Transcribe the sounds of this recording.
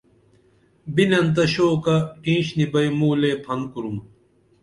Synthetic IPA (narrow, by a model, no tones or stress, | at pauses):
binɐnt̪̬ɐɕoːkɐkĩːɕnibɐimuːleːpʰɐn̚kuɾum